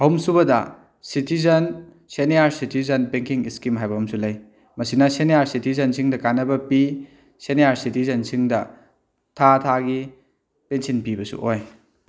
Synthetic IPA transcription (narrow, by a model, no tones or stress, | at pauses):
ɐhumsuβɐdɐ | sitizɐn | senijaɾsitʰizɐnpeŋkʰiŋiskimɦajbɐhumsulɐj | mɐsinɐseneaɾsitizɐnsʰiŋdɐkanɐbɐpi | seneaɾsitizɐnsiŋdɐ | tʰatʰaɡi | pensinpibɐsṵʔoj